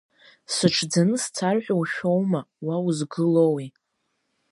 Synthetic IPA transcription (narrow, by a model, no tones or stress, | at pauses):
sɨʈ͡ʂʰd͡zanɨst͡sʰarħʷᶣawʃᶣo̞wmawawuzɡɨlowi